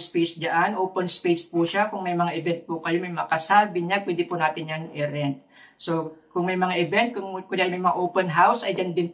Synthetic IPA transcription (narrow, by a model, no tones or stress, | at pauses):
spejsd͡ʒaʔanʔoːpɛnspejspuʃakʊŋmɐjmɐŋaʔɪbɛnt̪̚pʊkɐjomɐjmɐakɐsalbɪɲaɡ̚pwɛd̪ɪpʊnaːt̪ɪnjanʔɪɾɛnt̪̚ | sokʊŋmɐjmɐŋaʔɪbɛnt̪̚kʊŋkʊalmɐjmɐŋaʔoːwpɛnɦawsʔɐjd͡ʒand̪ɪnp